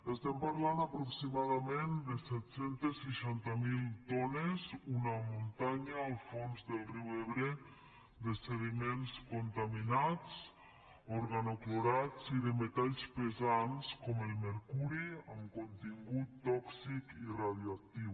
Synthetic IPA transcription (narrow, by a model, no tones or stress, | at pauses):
est̪ɛmpaɾlanapɾuksimaðamẽnd̪esɛt̪sent̪esːeʃant̪amilˠt̪ɔnezunamunt̪aɲaːlˠfonzðelˠriweβɾe | d̪eseɣimenskont̪aminat͡s | oɾɣanokloɾat͡siðemet̪aʎspezanskɔmelˠmeɾkuɾiəmkont̪iŋɡut̪ːɔksikiraðjoak̚t̪iw